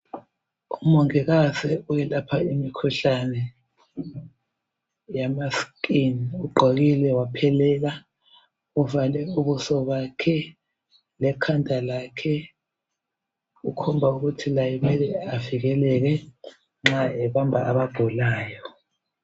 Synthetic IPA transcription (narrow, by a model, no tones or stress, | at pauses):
umɔŋɛɣasɛujɛlapʰaimikʰuɬanɛ | jamaskʼiniuɡ͡ǃʱoɣilɛwapʰɛlɛːla | uvalɛuβusɔβakʰɛ | lɛkʰandʱalakʰɛ | ukʰɔmbʱauɣutʰilajimɛlɛaviɣɛlɛɣɛ | ŋ͡ǁaɛβambʱaʔaβaɡ̥ʱulaːjɔ